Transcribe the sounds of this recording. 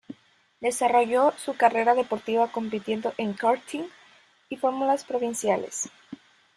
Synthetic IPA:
d̪e̞saro̞ʝo̞sukare̞ɾaðe̞po̞ɾt̪iβako̞mpit̪je̞nd̪o̞ʔeŋkaɾt̪ʰiŋ | ifo̞ɾmulaspɾo̞βinsjalḛs

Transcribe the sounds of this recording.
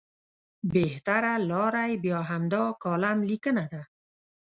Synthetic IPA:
beht̪aɾalɔɾajbjɔɦamd̪ɔkɔlamlikənad̪a

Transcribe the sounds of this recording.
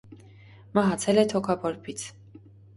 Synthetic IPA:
mɑɦɑt͡sʰɛlɛt̪ʰɔkʰɑpʰɔɾpʰit͡sʰ

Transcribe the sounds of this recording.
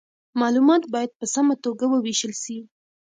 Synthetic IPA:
mɑlumɑt̪bɑjad̪̚pəsamat̪oɡawəweʃəlʃi

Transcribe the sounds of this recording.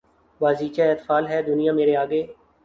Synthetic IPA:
ʋaːziːt͡ʃaɛːt̪faːlɦɛːd̪ʊnijãmeːɾeaːɡeː

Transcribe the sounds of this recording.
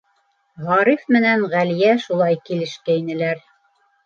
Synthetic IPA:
ʁɑɾifmɘ̆nænʁæljæʃulˠɑjkilɘ̆ʃkæinɘ̆læɾ

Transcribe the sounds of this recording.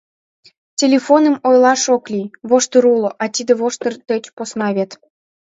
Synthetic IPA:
tʲelʲefonə̆mojlɑʃoklʲijβoʃt̪əɾuloʔɑt̪ʲid̪ə̆βoʃt̪ərt̪ət͡ɕposnɑβʲet̪

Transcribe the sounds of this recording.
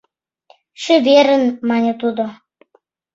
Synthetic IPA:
ʃø̆βeɾə̆nmɑnʲet̪ud̪o

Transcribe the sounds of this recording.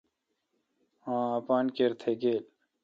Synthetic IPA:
ãːapaːnkeɾt̪ʰeɡeːl

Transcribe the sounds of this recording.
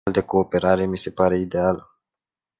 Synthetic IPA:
ld̪eko̞ːpe̞ɾaɾe̞mise̞paɾe̞id̪e̞alə

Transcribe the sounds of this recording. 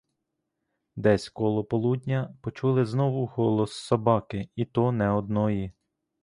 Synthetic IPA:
d̪ɛsʲkɔlˠɔpɔlˠud̪ʲnʲɐpɔt͡ʃulˠɪznɔʋʊhɔlˠɔsːɔbɑkɪit̪ɔnɛɔd̪̚nɔji

